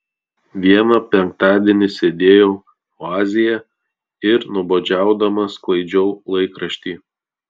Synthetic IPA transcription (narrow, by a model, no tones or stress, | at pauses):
ʋʲiɛnɐpʲɛŋk̚t̪ɑːd̪ʲiɛnʲɪsʲed̪ʲeːjoː | oɑːzʲɪjɛ | ɪɾnʊboːd͡ʒʲæˑʊd̪ɐmɐsklˠɐɪd͡ʒʲɛʊlˠɐɪkɾɐʃʲt̪ʲiː